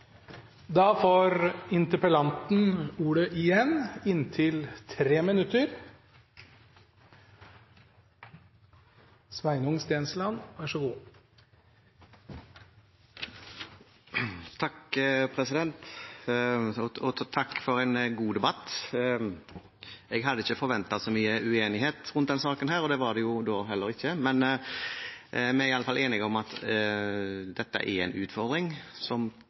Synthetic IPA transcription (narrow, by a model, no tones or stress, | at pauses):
d̪ɑːfoːɾɪnt̪əpəlɑnt̪n̩uːɽəʔɪjɛnɪnːt̪ʰɪlt̪ʰɾeːmɪnʉt̪əɾ | sʋæɪnʊŋst̪eːnslɑnʋæʂɔɡuː | t̪ʰɑkpʰɾɛsɪd̪ɛnt̪ | ɔɔt̪ʰɑkːfɔɾɛɪnɡuːd̪ɛbɑt̪ː | ɛɡɦɑd̪ːəɪçːəfɔɾʋɛnt̪ɑsɔmyːəʉeːnɪɦeːt̪ɾʉnt̪̚d̪ɛnsɑːkənhæːɾɔd̪ɛːʋɑd̪ɛjʊd̪oːɦɛlːəɾɪçːəmɛn | ʔmɛɪɑləfɑlʔeːnɪɡɔmɑt̪ | d̪ɛt̪ːə̰ʔɛ̰æɪnʉ̰ːt̪fɔɾd̪ɾɪŋsɔm